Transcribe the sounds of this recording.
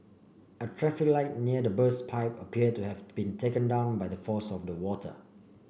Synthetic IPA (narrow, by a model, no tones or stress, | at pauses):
ətʰɹɛfiklaɪt̚niədəbəspʰaɪpəpʰiəd̚tːuhɛvb̥ĩntʰekə̃ndãʊ̃nbaɪdəfɔsɔfdəwɔtʰə̰